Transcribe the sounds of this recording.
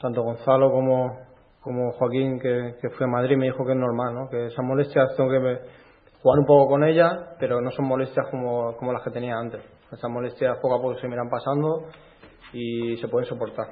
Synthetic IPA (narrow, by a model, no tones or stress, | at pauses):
t̪ant̪o̞ɣ̞o̞nθalo̞ko̞mo | komoxwakiŋkeke̞fwiemaðɾime̞ðixo̞kee̞zno̞ɾmalno̞ke̞esamo̞le̞st̪jasθo̞ŋke̞ | xuɣanumpo̞ko̞ko̞ne̞ʎape̞ɾo̞no̞so̞mmo̞le̞st̪jahko̞moko̞mo̞laske̞t̪e̞niaãnt̪e̞s | esamo̞le̞st̪jaspo̞kapo̞kosemiɾampasand̪o | isepwe̞ðenso̞po̞ɾt̪aɾ